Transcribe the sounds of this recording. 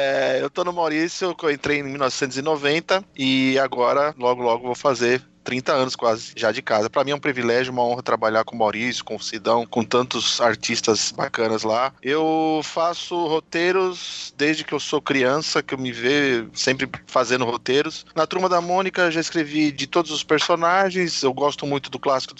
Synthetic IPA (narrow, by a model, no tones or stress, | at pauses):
ɛewt̪onʊmawɾisjkeẽnt̪ɾejẽmiwlnɔvɪ̥sẽnt̪ʊzɪnovẽnt̪ɐɪaɡɔɾɐlɔɡʊlɔɡʊvowfazeɾ | t̪ɾĩnt̪ɐɐ̃nʊskwazɪʒad͡ʒɪkazɐpɾɐmĩɛũpɾivilɛʒjʊũmɐõɦɐt̪ɾabaʎaɾkõmawɾisjʊ̥kõʊsid̪ɐ̃w̃kõt̪ɐ̃nt̪ʊz̥aɾt͡ʃist̪ɐzbakɐ̃nɐzlaewfasʊhot̪eɾʊsd̪ezd͡ʒɪkɪewsokɾiɐ̃sɐkɪewmɪvejsẽmpɾɪfazẽnd̪ʊhot̪eɾʊsnɐt̪ɾuɾmɐd̪ɐmõnikɐʒaɪskɾevid͡ʒɪt̪od̪ʊzʊspeɾsonaʒẽj̃sewɡɔst̪ʊmũj̃t̪ʊd̪ʊklasi̥kʊd̪